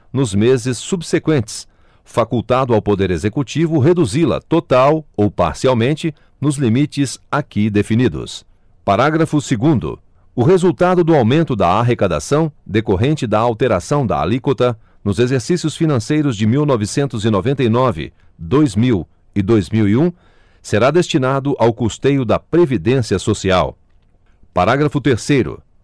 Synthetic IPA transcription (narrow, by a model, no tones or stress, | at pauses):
nʊzmezɪsːubsekwẽnt͡ʃɪ̥s | fakuwt̪ad̪ʊawpod̪eɾezekut͡ʃivʊɦed̪uzilɐ̰t̪ot̪awowpa̰ɾsiawmẽnt͡ʃɪ | nʊzlimit͡ʃɪzakid̪efinid̪ʊ̰s | paɾaɡɾɐfʊsɪɡũd̪ʊ̰ | ʊɦezuwt̪ad̪ʊd̪ʊawmẽnt̪ʊd̪ɐaɦekad̪a̰sɐ̃w̃d̪ekoɦẽnt͡ʃɪd̪ɐawt̪eɾasɐ̃w̃d̪ɐ̰a̰likot̪ɐ | nʊzezeɾsisiʊsfinɐ̃sejɾʊzd͡ʒɪmiwnɔvɪsẽnt̪ʊzɪnovẽnt̪ɐinɔvɪ̰ | d̪ojzmiw | ɪd̪ojzmiwiũ | seɾad̪est͡ʃinad̪ʊʔawkust̪ejʊd̪ɐpɾevid̪ẽsiɐsosia̰w | paɾaɡɾɐfʊt̪eɾsejɾʊ̰